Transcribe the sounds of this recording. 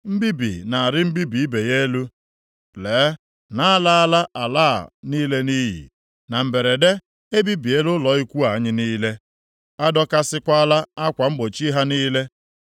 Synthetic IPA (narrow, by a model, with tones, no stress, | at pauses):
m̩˦bi˦bḭ˨na˨a˨ɾɪ˦m̩˦bi˦bi˨i˦be˨je˦lu˦ | leː˨˦ | na˦a˦la˦a˦la˦ʔa˨la̰ː˦˨niː˦le˦niː˦ɦḭ˨ | na˨m̩˨be˨ɾe˨de˦ | e˦bi˦bi˨e˦lʊ˦lɔ˨i˦kʷu˦a˨ɲɪ˦niː˦le˦ | a˦dɔ˦ka˦sɪ˦kʷa˦a˦la˦a˦kʷa˨ŋ͡m̩˦ɡ͡bo˨t͡ʃi˦ɦa˦niː˦le˦